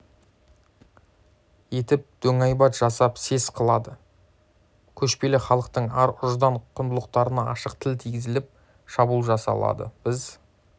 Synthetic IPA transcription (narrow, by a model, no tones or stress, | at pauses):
je̞t̪ɪp̚d̪̥ʰɵŋɑjbɑt̪ʒ̥ɑsɑpse̞sqʰəlˠɑd̪ə | kʲʰɵʃpe̞lɪχɑlˠəqt̪əɴɑɾʊʒd̪ɑɴqʰʊnd̪əlˠəq̚t̪ɑɾənɑɑʃəqt̪ʰɪlt̪ʰijɡʲɪzɪlɪp̚ | ʃɑbulˠʒɑsɑ̰lˠɑ̰d̪ə̰b̥ɪz